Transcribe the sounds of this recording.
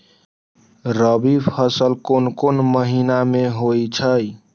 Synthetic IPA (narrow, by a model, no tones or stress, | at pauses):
ɾəbipʰəsəlkonkonməɦinameɦojt͡ʃʰəj